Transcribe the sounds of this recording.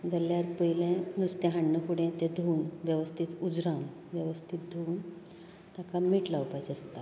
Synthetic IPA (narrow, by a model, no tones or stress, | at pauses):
d͡zəljaɾpəjilẽnust̪ẽɦaɳːəkuɽẽt̪ẽd̪ʱuːnʋjəʋəst̪ʰit̪ud͡zɾam | ʋjəʋəst̪ʰit̪̚d̪ʱuːn | t̪jakamiːʈlawpajt͡səst̪a